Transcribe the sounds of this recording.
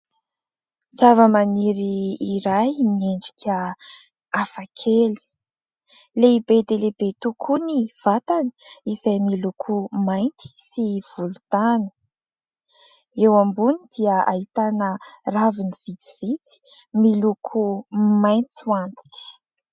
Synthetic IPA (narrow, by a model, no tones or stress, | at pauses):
z̥avəmaniɾiːɾajmieɳɖ͡ʐi̥kʰʲə | afakʰeli̥ | leibed̪elebet̪ukʰuniv̥at̪ani̥izajmilukʰumajnt̪i̥siv̥ulut̪anə̥ | ewambunid̪iəa̰ɦit̪anəraviniv̥it͡siv̥it͡si̥ | milukʰumajnt͡suant̪i̥ki̥